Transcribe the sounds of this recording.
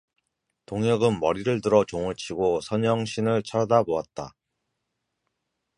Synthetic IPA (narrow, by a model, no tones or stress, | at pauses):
toŋjʌɡɯnmʌɾiɾɯɭtɯɾʌt͡ɕoŋɯɭt͡ɕʰiɡosʰʌɲʌŋɕʰinɯɭt͡ɕʰʌɾdaboat̚t͈a